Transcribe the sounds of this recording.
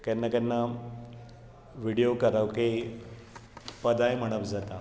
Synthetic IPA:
kɛnːakɛnːa | ʋiɽijokəɾaʋke | pəd̪ajm̤əɽ̃əbd͡zat̪a

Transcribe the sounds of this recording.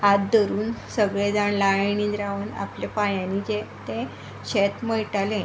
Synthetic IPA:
ad̪d̪əɾuːnsəɡɭed͡zaɳlajanĩd̪ɾaʋəna̰pljapajãnid͡ʑet̪ẽ | ɕɛt̪məjʈalẽ

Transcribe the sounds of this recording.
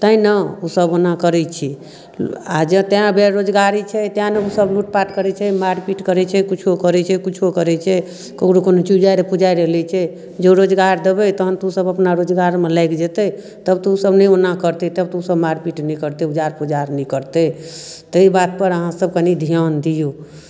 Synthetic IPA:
t̪ənəusəbonakəɾɛt͡ʃʰi | ad͡ʒet̪ãbeɾɾod͡ʒɡaɾit͡ʃʰɛt̪ãneusəbluʈ̚paʈkəɾɛt͡ʃʰɛmaɾpiʈkəɾɛt͡ʃʰɛkut͡ʃʰokəɾɛt͡ʃʰɛkut͡ʃʰokəɾɛt͡ʃʰɛ | kokɽokonot͡ʃʰiud͡ʒaiɾepud͡ʒaɾɛɦlɛt͡ʃʰɛ | d͡ʒeɾod͡ʒɡaɾd̪ebɛt̪əɦənt̪usəbəpnaɾod͡ʒɡaɾmelajkd͡ʒet̪ɛ | t̪əb̚t̪uusəbnəjonakəɾt̪ɛt̪əb̚t̪uusəbmaɾpiʈnɛkəɾt̪ɛud͡ʒaɾpud͡ʒaɾnɛkəɾt̪ɛ | t̪əibat̪̚pəɾəɦãsəb̚kənid̪ʱijənd̪ijo

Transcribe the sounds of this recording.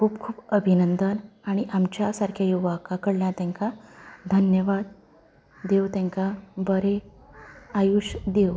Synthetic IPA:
kʰuːbkʰuːbəbʱinənd̪ənaɽ̃iʔamt͡ɕjasaɾkʰjajuʋakakəɽljãt̪ãŋkad̪ʱənjəʋad̪ | d̪eʋt̪ãŋkabəɾe | ajuɕd̪eʋ

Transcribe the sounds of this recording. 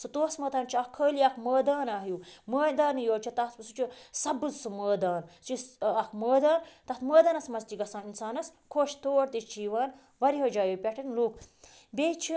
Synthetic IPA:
sɐt̪oːsməːt̪ʰaːnt͡ʃʰiɐkʰəːliɐkʰməːd̪aːnaːɦjuːməːd̪aːnjoːt͡ʃʰɐt̪ɐt̪sut͡ʃʰisɐbɨzsɨməːd̪aːnt͡ʃiɐkməːd̪aːnt̪ɐht̪məːd̪aːnɐsmɐzt̪iɡɐsaːninsaːnɐskʰoːʃt̪oːɾt̪it͡ʃiːʋaːn | ʋɐɾiɦod͡ʒaːjupʲeʈʰɐnluːk | bʲet͡ʃʰi

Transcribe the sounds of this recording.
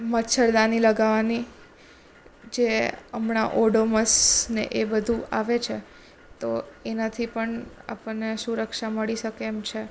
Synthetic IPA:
mət̪ʃʰəɾd̪aniləɡaʋani | d͡ʒeəmɳaʔoɖoməsnḛʔebəd̪ʱuaʋet͡ʃʰe | t̪oenat̪ʰipəɳa̰pəɳnːesuɾəkʃaməɭiʃəkeːmt͡ʃʰe

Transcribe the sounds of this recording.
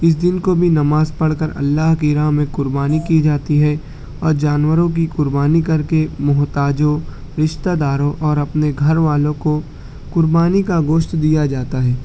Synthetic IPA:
ɪs̬d̪ɪnkobʱinɐmaːzpɐɽ̤kəɾɐ̰lːaːɦkiɾaːmːẽkʊɾbaːnikid͡ʒaːt̪iɦɛ | ɔːɾd͡ʒaːnwəɾõk̬ikʊɾbaːnikɐɾkemʊɦt̪aːd͡ʒõ | ɾɪʃt̪ad̪aːɾõʔɔːɾɐpneɡʱɐɾʋaːlõko | kʊɾbaːnikaɡoːʃt̪d̪ijad͡ʒaːt̪aɦɛː

